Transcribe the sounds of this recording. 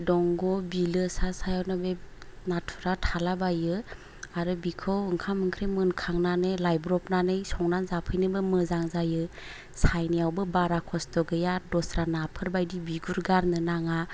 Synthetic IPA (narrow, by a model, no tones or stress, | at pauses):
dɔŋɡɔbilɯsasajawnɯbenatʰuɾatʰalabajɯ | aɾɯbikʰɯwɯŋkʰamɯŋkʰɾemɯnkʰaŋnanɯlajbɾɔpnanɯjsɔŋnanzapʰɯjnɯbɯmɯzaŋzajɯ | sajnijawbɯbaɾakʰɔstɔɡɯjadɔsɾanapʰɯɾbajdibiɡuɾɡaɾnɯnaŋa